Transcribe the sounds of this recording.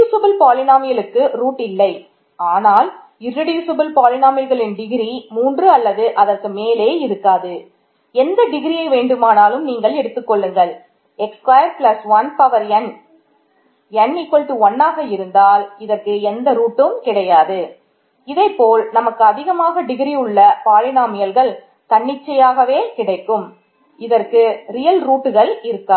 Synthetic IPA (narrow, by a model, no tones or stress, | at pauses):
sɐbɪlpaːlɪnaːmɪjɐlɯkːɯɾuːʈːɪlːɐɪ | aːnaːl | ɪrːɪɽiːsɐbɪlpaːlɪnaːmɪɾɣɐɭɪnɖɪɣɪɾimuːndrɯɐlːɐðɯʔɐðɐrkɯmeːleːɪɾɯkːaːðɯ | ɛnd̪ɐɖɪɣɪɾijɐɪʋeːɳɖɯmaːnaːlɯmniːŋɡɐɭɛɽɯt̪ːɯkːɔɭːɯŋɡɐɭ | ɛkskʋɐjɐɾplɐsʋɐnpɐʋɐɾɛn | ɛnːɪkːɔɭʈ̪ːɯɔnːaːɣɐɪɾɯnd̪aːlɪðɐrkɯɛnd̪ɐɾuːʈːɯmkɪɽɐjaːðɯ | ɪðɐɪpːoːlnɐmɐkːɯɐðɪɣɐmaːɣɐɖɪɣɾiɯɭːɐpaːlɪnaːmɐjɐlɣɐɭ | t̪ɐɳːɪt͡ʃːɐjaːɣɐʋeːkɪɽɐɪkːɯm | ɪðɐrkɯɾɪjɐlɾuːʈːɯɣɐɭɪɾɯkːaː